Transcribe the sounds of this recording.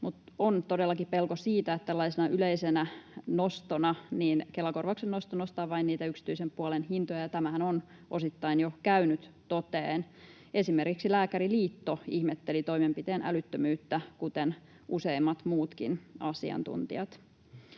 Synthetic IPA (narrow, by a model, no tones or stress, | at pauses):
mut̪ont̪odelːɑkippelkosiːt̪æet̪t̪ːælːɑisenɑʔyleisenænost̪onɑniːnkelːɑkorʋɑksennost̪onost̪ɑːʋɑinniːt̪æyksi̥t̪yisempuɑlenhint̪ojɑjɑt̪æmæhænon | ʔosit̪ːɑinjokæynyt̪t̪ot̪eːn | e̞simerkiksilæːkæɾiliːt̪ːoihmet̪ːelit̪o̞imempit̪eːnʔæ̰lyt̪ːømyːt̪ːækut̪en | ʔuseimːɑt̪muːt̪kḭnɑsḭɑ̰nt̪ṵnt̪ḭɑt̪